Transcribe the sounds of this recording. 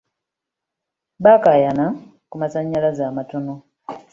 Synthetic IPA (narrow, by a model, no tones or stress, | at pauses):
bakajana | kumasaɲːalazaːmatono